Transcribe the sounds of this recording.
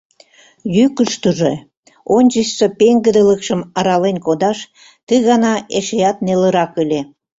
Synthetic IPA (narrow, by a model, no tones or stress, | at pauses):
jykəʃt̪əʒe | onʲt͡ɕəɕsəpeŋɡəd̪ələkʃə̆mɑɾɑlenkod̪ɑʃ | t̪əɣɑnɑeʃejɑt̪neləɾɑkəle